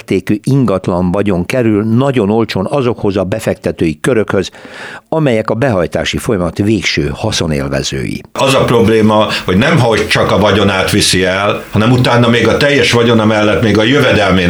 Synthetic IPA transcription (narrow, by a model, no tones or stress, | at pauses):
rt̪eːkyːʔiŋɡɒt̪lɒɱvɒɟo̞ŋkɛɾylnɒɟo̞no̞lt͡ʃo̞nɒzo̞kho̞zɒbɛfɛk̚t̪ɛt̪øːjikøɾø̞khøzɒmɛjɛkɒbɛɦɒjt̪a̰ːʃifo̞jɒmɒt̪veːkʃøːhɒso̞nḛːlvɛ̰zø̰ːjḭɒzɒpro̞bleːmɒho̞ɟnɛmɦɒoct͡ʃɒkɒvɒɟo̞naːt̪ʋisiɛlhɒnɛmut̪aːnːɒmeːɡɒt̪ɛjːɛʃʋɒɟo̞nɒmɛlːɛt̪meːɡɒjøvɛd̪ɛlmeːn